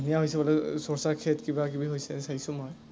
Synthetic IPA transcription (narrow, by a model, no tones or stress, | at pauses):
nijaɦojsɛbɔlɛsɔɹsaɹkʰɛtkibakibiɦojsɛsajsʊ̃moj